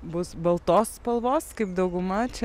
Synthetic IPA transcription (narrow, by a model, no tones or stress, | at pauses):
bʊsbɐlˠt̪oːspɐlˠʋoːskɐɪpd̪ɐʊɡʊmɐt͡ʃʲɛ